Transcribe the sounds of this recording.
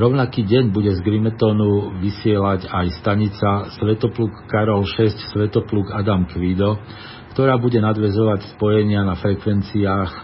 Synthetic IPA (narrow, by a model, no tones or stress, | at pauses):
ɾɔʊnakiːɟɛɲbuɟɛzɡɾimɛt̪ɔːnuʋisɪɛlaɟajst̪aɲit͡sasʋɛt̪ɔpluːkːaɾɔlʃɛscsʋɛt̪ɔpluːkad̪amkʋid̪ɔ | kt̪ɔɾaːbuɟɛnad̪ʋɛzɔʋacspɔjɛɲɪanafɾɛkʋɛnt͡siaːx